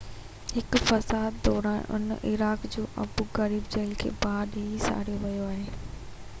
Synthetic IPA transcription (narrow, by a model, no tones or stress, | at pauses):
hɪkfɐsaːd̪ːɔːɾaːnʔʊ̰n̰ʔɪɾaːkd͡ʑoːʔɐ̰buɣɐɾiːbd͡ʑeːlkʰḛːbaːɾɗeːisa̰ːɽ̤ijoʋɐjoaːɦeː